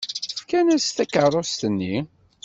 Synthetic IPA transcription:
fkænæst̪ækərˤost̪ənːi

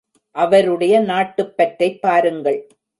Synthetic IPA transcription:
ʔɐʋɐɾɯɽɐjɐnaːʈːɯpːɐʈɾɐɪpːaːɾɯŋɡɐɭ

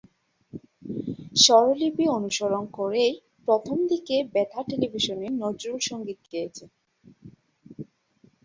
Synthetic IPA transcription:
ʃɔɾolibionuʃoɾonkoɾej | pɾot̪ʰomd̪ikebɛt̪ʰaʈelibʱiʃonenod͡ʑulʃoŋɡit̪̚ɡejet͡ɕʰe

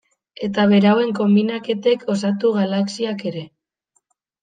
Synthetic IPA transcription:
e̞t̪aβe̞ɾawe̞ŋko̞mbinake̞t̪e̞kʰo̞sat̪uɣalaksiake̞ɾe̞

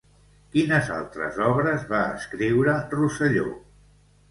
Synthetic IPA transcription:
kinəza̰lˠt̪ɾə̰zɔβɾəzβaə̰skɾiwɾərusəʎo̰

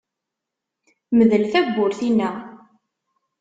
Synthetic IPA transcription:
məðəlθæɡʷːʊɾθinːæ

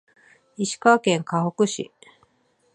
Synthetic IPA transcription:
iɕi̥kakẽŋkahokɯ̟ɕḭ

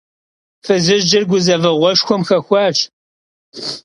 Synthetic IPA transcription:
fɨzɨʒd͡ʒɪrɡʷʊzɐvɐʁʷɔʂxʷɔmxɐxʷɑːʈ͡ʂ

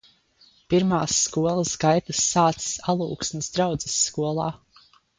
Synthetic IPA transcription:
piɾmaːsːkuɔlˠɐsɡajt̪ɐsːaːt̪ssalˠṵːksnɨsd̪ɾawd̪zɛsːkuɔlˠa̰ː

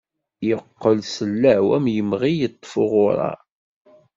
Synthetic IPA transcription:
jəqːəlsəlːæʕwæmjəmʁijət̪ˤːfʊʁʊɾˤɑ̰

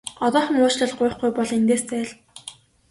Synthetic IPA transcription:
ɔt̪ɔːχə̆ŋʊːt͡ɕɮə̆ɮɢʊj̆χɡujpɔɮ̆ent̪eːst̪ʰæːɮ

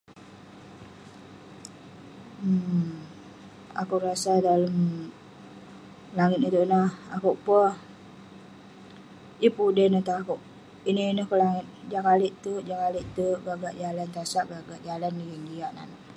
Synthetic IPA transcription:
ə | a̰kuʔɾasadaləm | laŋɪt̪̚nit̪uʔnahakuʔpəh | ipudənət̪aakoʔ | ininəkoʔlaŋɪt̪̚d͡ʒaŋaleʔt̪ud͡ʒaŋalɪʔt̪uɡaɡaʔd͡ʒalant̪asaʔɡaɡaʔd͡ʒalanːiɡəŋɡiaʔna̰naʔ

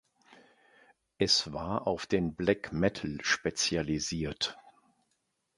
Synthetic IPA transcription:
ʔɛsv̥aːɐʔaʊfd̥eːnblɛkmɛtʰl̩ʃpet͡sjaliziːɐt

